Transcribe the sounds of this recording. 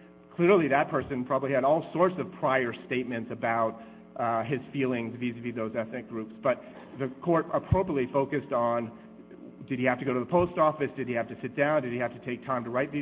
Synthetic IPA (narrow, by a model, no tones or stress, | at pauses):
kʰl̥ɪɹlˠiðɨt̚pʰɜ˞sɨ̃npʰɹ̥ɑbəbliɨɾɔlˠsɔɹtsʌv̥pʰɹ̥aɪə˞steɪt̚mɨ̃ntsɨbaʊt̚ | ɪz̥filˠɪ̃ŋzvizɨviðoʊzɛθnɨk̚ɡ̥ɹʉpsb̥ʌt̪̚ | ðɨkʰɔɹɾəpʰɹ̥oʊpɹiətˡlifoʊkɨstn̩ | dɨd̚ihæftɨɡoʊɾɨðəpʰoʊstɔfɨsd̥ɨd̚ihæftɨsɪt̚d̥ãʊ̃ndɨd̚ihæftɨtʰeɪk̚tʰãɪ̃mtəɹaɪt̪̚ði